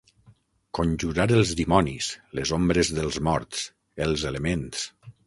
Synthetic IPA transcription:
konʲʒuɾaɾəlˠzðimɔnislezombɾezðəlˠzmɔɾt̪s | elˠzelemens

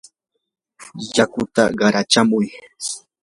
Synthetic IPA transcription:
jakʊt̪a̰ɢɑɾat͡ʃamʊj

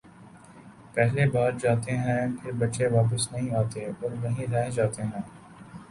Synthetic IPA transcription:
pɛɦlebaːɾd͡ʒaːt̪eɦɛ̃pʰɪbɐʈːʃeʋaːp̬əsnɐɦĩaːt̪eɔːɾʋɐɦĩɾɛɦd͡ʒaːt̪eɦɛ̃ː

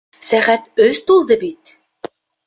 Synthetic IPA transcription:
sæχæt̪ɵzt̪ulˠd̪ɤbit̪̚

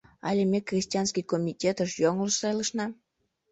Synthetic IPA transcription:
ɑlʲemʲekrʲisʲtʲiɑnskʲijkomʲitʲet̪əʃjoŋləʃsɑjləʃnɑ

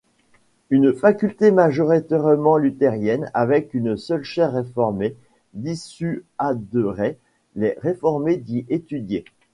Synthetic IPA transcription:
ynfakʲylt̪emaʒɔʁit̪ɛʁmɑ̃lyt̪eʁjɛna̰vɛkynsœlʃɛʁːefɔʁme | d̪isyad̪əʁɛ | lɛʁefɔʁmed̪iʔet̪yd̪je

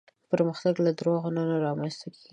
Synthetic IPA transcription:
pəɾməxt̪aɡlad̪ɾoɣananaɾɑmanst̪akeɡi

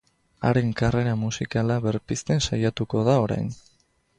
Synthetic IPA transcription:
a̰ɾe̞ŋkare̞ɾamusikalaβe̞ɾpist̪e̞nsajat̪uko̞ðao̞ɾa̰jn

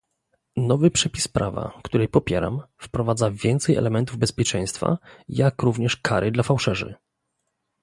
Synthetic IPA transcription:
nɔvɘpʂɛpʲispɾava̰kt̪uɾɛjpɔpʲjɛɾa̰mfpɾɔvad̪zavʲjɛnt̪sɛjɛ̰lɛmɛnt̪uvbɛspʲjɛt͡ʂɛj̃st̪fa̰jakɾuvɲɛʂkʰaɾʔɘd̪lafawʂɛʐɘ̰

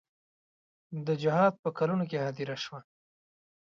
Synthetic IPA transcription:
d̪əd͡ʒɪhɑd̪̚pəkalunokehad̪iɾaʃwa

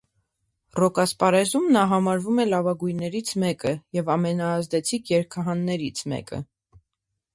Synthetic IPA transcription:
rɔkɑspɑɾɛzumnɑɦɑmɑɾvumɛlɑvɑɡujnɛɾit͡sʰmɛkəjɛvɑmɛnɑːzd̪ɛt͡sʰikʰjɛɾkʰɑɦɑnːɛɾit͡sʰmɛ̰kə̰

